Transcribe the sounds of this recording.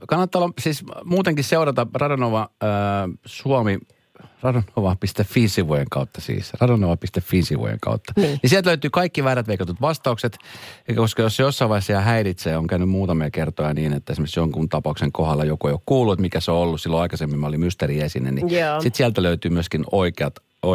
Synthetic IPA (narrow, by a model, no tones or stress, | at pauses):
kɑnːɑt̪ːɑolːɑsiːsmuːt̪eŋkisseuɾɑt̪ɑrɑdonoʋɑː | suɑmi | rɑdonoʋɑpist̪effiːnsiʋujeŋkɑut̪ːɑsḭːsrɑdonoʋɑpist̪effiːnsiʋṵjḛŋkɑ̰ut̪ːɑ̥nisiælt̪løyt̪yːkɑikːiʋæːɾæt̪ʋeikɑt̪ut̪ʋɑst̪ɑukset̪eikːækoskɑjosːjosːɑiʋɑisːɑɑhæiɾit̪seːoŋkænymmuːt̪ɑmiɑkert̪ojɑniːnet̪ːæesmøsjoŋkunt̪ɑpɑukseŋkohɑlːɑjokueijokkuːlːuet̪mikæsoolːussilːoɑikɑsemːimæolimmyst̪æɾiesinæ̰nisit̪siælt̪æløyt̪yːmyøskinoikeɑt̪ | o